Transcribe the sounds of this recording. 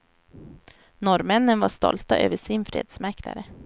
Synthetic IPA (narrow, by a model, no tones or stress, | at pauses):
nɔɾmɛnːənvaʂt̪ɔ̰lt̪aʔø̰ːvəʂɪnfɾḛːd̪smæɾkla̰ɾə